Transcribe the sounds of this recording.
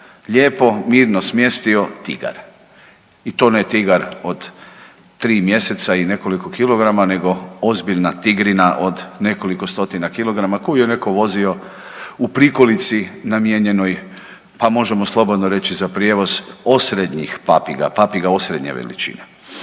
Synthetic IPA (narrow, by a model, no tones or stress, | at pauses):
ʎeːpo̞miːɾnosmje̞st̪io̞t̪iɡa̰ɾ | it̪onet̪iɡaɾo̞d̪ | ɾiːmje̞se̞t̪saine̞ko̞liko̞kilo̞ɡɾamane̞ɡo̞ozbiʎnat̪iɡɾinaʔod̪ne̞ko̞liko̞st̪o̞t̪inakilˠo̞ɡɾamakoijene̞ko̞ʋo̞zio̞ | upɾikolit̪sinamjeɲe̞noj | pamo̞ʒe̞moslˠo̞bo̞d̪noɾe̞t͡ɕizapɾjeʋo̞zosɾed̪ɲixpapiɡa̰papiɡao̞sɾe̞d̪ɲḛʋḛlḭt͡ʃḭne